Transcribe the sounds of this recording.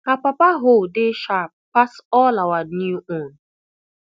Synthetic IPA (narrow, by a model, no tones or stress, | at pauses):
hapapaɦʊdɪʃap̚pasɔlawanjuõn